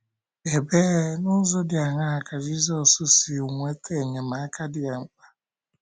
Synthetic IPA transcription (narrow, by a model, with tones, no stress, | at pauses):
e˨beː˦nʊ˦zo˦dɪ˨a˨ŋa˦ɦa˦˨ka˨d͡ʒi˦zɔ˦sʊ˦si˨u˨ŋʷe˦te˦˨ɲe˨ma˨a˦ka˦dɪ˦˨a˨ŋ͡m̩˨k͡pa˦